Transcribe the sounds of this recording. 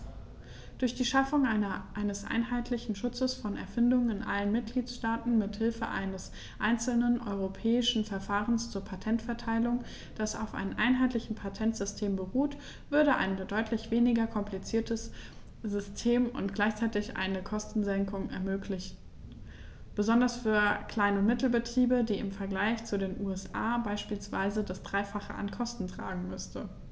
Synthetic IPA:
d̥ʊɐçd̥iːʃafʊŋanɐʔaɪnəsʔa̰ɪnɦaɪtʰlɪçn̩ʃʊt͡səsfɔnɛ̰ɐfɪndʊŋənɪnʔa̰lənmɪt̚ɡ̥liːtʃtaːtn̩mɪthɪlfə̰ʔa̰ɪnəs | ʔaɪnt͡sl̩nənʔɔ̰ʏʁ̞opʰɛːɪʃn̩fɛɐfaːʁənst͡suːɐpʰatʰɛntfɛɐtʰaɪlʊŋ | d̥asa̰ʊfʔa̰ɪnnʔa̰ɪnɦaɪtlɪçn̩pʰatʰɛntz̥ʏstʰeːmbəʁuːt | v̥ʏɐɾəʔa̰ɪndɔʏtʰlɪçv̥eːnɪɡɐkʰɔmpʰlit͡siːɐtʰəs | z̥ʏstʰeːmʊ̰ntɡ̥laɪçt͡saɪtɪçʔa̰ɪnəkʰɔstn̩zɛŋkʊŋɛ̰ɐmøːklɪç̩ | b̥əzɔndɐsfyːɐkʰl̥aɪnəmɪtl̩bətʁ̥iːbədiːɪmfɛɐɡlaɪçt͡sudeːnʔuːɛsʔaːbaɪʃpiːlsv̥a̰ɪzədasd̥ʁaɪfaχə̰ʔa̰nkʰɔstn̩tʁ̥a̰ːɡŋ̩mʏstə

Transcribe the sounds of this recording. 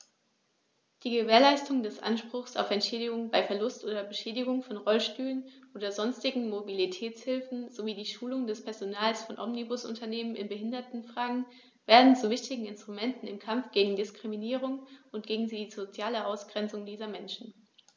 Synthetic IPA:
d̥iːɡəveːɐlaɪstʊŋdɛsʔa̰nʃpʁ̥ʊχsa̰ʊfɛntʃɛːdɪɡʊŋbaɪfɛɐlʊstʔoːdɐbəʃɛːdɪɡʊŋfɔnʁɔlʃtyːlənʔoːdɐzɔnstɪɡŋ̩mobilitʰɛːt͡shɪlfn̩zoviːdiːʃuːlʊŋdɛspʰɛɐzonaːlsfɔnʔɔmnibʊsʔʊ̰ntɐneːmənɪnbəɦɪndɐtn̩fʁ̥aːɡŋ̩ | v̥eːɐdn̩t͡suvɪçtɪɡŋ̩ɪnstʁ̥umɛntn̩ɪmkʰamp͡fɡ̥eːɡŋ̩dɪskʁ̥iminiːʁʊŋʊnt̚ɡ̥eːɡŋ̩ziːzot͡sjaːləʔaʊsɡ̥ʁɛnt͡sʊŋdiːzɐmɛnʃn̩

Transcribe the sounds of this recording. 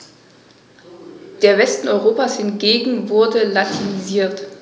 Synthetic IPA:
d̥eːɐvɛstn̩ɔʏʁoːpashɪnɡeːɡŋ̩vʊɐdəlatʰiniziːɐt

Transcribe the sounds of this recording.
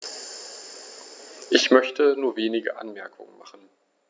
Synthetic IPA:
ʔɪçmœçtənuːɐveːnɪɡə̰ʔa̰nmɛɐkʰʊ̰ŋə̰nma̰χn̩

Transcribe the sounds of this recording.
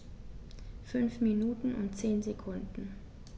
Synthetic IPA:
fʏnfminuːtn̩ʊ̰ntt͡seːnzekʰʊndn̩

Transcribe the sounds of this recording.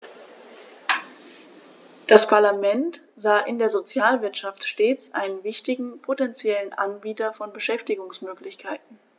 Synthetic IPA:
d̥aspʰaɐlamɛnt | z̥aːʔɪndeːɐzot͡sjaːlvɪɐtʃaftʃteːt͡sʔa̰ɪnənvɪçtɪɡŋ̩pʰotɛnt͡sjɛlənʔa̰nbiːtɐfɔnbəʃɛftɪɡʊŋsmøːklɪçkʰaɪtn̩

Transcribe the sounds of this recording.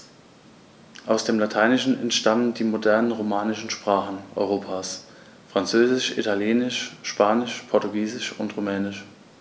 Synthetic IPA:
ʔaʊsd̥eːmlatʰaɪnɪʃn̩ɛ̰ntʃtaməndiːmodɛɐnənʁomaːnɪʃn̩ʃpʁ̥aːχn̩ʔɔ̰ʏʁ̞oːpʰaːs | fʁ̥ant͡søːzɪʃʔḭtʰaljɛːnɪʃʃpʰaːnɪʃpʰɔɐtuɡiːzɪʃʊntʁomɛːnɪʃ

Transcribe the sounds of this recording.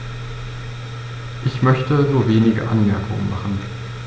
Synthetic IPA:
ʔɪçmœçtəzoːveːnɪɡə̰ʔanmɛɐkʰʊŋmaχn̩

